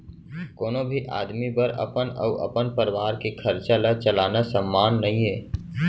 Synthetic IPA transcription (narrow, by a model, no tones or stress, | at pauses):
koːnobʱiʔa̰ːd̪mibəɾə̰pənə̰ʊʔə̰pənpəɾɪʋaːɾkekʰəɾt͡ʃalat͡ʃəlaːnasəmːaːnːəɦĩɦeː